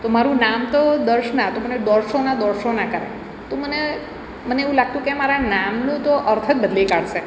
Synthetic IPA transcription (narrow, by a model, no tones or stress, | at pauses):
t̪omaɾũnamt̪od̪əɾʃnat̪oməned̪ɔɾʃonad̪ɔɾʃonakəɾḛ | t̪oməne | məneeʋũlaɡ̚t̪ũkemaɾanamnũt̪oʔəɾt̪ʰət̪̚bəd̪likaɽʃe